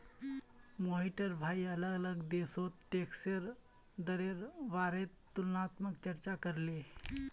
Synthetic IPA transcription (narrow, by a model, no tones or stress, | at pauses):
moɦiʈəɾbʱaiələɡələɡd̪esot̪ʈekseɾ | d̪əɾeɾʋaɾet̪ːulnat̪məkt͡ɕəɾt͡ɕakəɾle